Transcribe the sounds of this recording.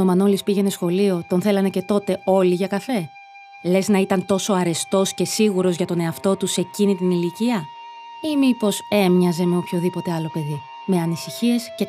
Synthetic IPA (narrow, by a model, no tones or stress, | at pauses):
omɐno̞lispiʝe̞ne̞sxo̞lio̞t̪o̞nθe̞lɐne̞ce̞t̪o̞t̪e̞o̞liʝɐkɐfe̞ | le̞znɐit̪ɐnt̪o̞so̞ɐɾe̞st̪o̞sce̞siɣuɾo̞zʝɐt̪o̞ne̞ɐft̪o̞t̪use̞cinit̪iniliciɐ | imipo̞se̞mɲɐze̞me̞opço̞ðipo̞t̪e̞ɐlo̞pe̞ði | me̞ɐnisiçie̞sce